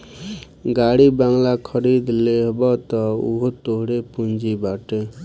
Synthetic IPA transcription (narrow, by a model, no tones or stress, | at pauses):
ɡaɽibaŋlakʰʌɾid̪leɦbʌt̪ʌṵɦot̪oɦɽepund͡ʒibaʈe